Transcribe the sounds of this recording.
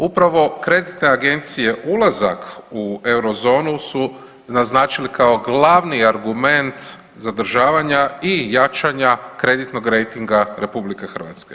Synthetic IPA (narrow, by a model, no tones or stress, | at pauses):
upɾaʋo̞kɾe̞d̪it̪ne̞aɡe̞nt̪sije̞ʔulˠazakʰue̞wɾo̞zo̞ːnusu | naznaːt͡ʃilikʰaoɡlˠaʋniaɾɡume̞nt̪ | zad̪r̩ʒaːʋaɲaijat͡ʃaɲakɾe̞d̪it̪no̞ɡɾe̞jt̪iŋɡaɾe̞publikexr̩ʋa̰t̪ske